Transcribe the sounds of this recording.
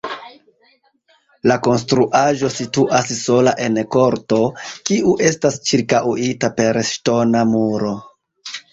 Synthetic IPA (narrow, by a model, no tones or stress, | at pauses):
lako̞nstɾuʔaʒo̞situʔasso̞laʔe̞nko̞ɾto̞kiʔuʔe̞stast͡ʃiɾkawitape̞ɾʃto̞namuɾo̞